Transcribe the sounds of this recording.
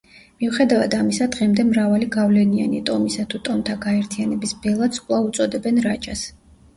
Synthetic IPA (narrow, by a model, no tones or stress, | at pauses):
miuχɛd̪avad̪amisad̪ʁɛmd̪ɛmɾavaliɡavlɛnia̰nḭt̪ʼɔmisat̪ʰut̪ʼɔmt̪ʰaɡaɛɾt̪ʰianɛbisbɛlˠat̪sʼqʼlˠaut̪sʼɔd̪ɛbɛnɾat͡ʃʼas